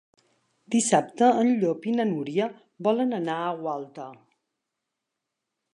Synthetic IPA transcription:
d̪̥isap̚t̪əːnʎopinənuɾiə | bɔlənənaəwalˠt̪ə

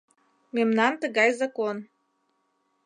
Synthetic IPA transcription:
memnɑnt̪əɣɑjzɑkon

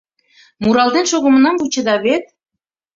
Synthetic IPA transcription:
muɾɑlˠd̪enʃoɣə̆mə̆nɑmbut͡ɕə̆d̪ɑβet̪̚

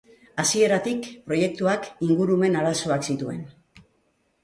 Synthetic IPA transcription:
asie̞ɾat̪ikpɾo̞je̞k̚t̪uakiŋɡuɾume̞naɾaso̞aksit̪ue̞̰n

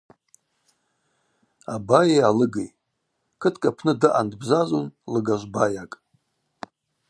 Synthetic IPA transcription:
a̰bajajalɨɡej | kʰɨtʰkʼapʰnɨdɨʔandbzaʒʷonlɨɡaʒʷbajakʼ

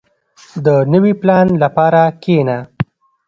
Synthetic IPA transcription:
d̪ənəwiplɑnlapɑɾakʰena

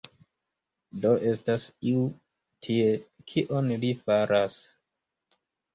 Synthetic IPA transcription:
do̞ʔe̞stasiu | tʰiekʰiʔonlifaɾʔas

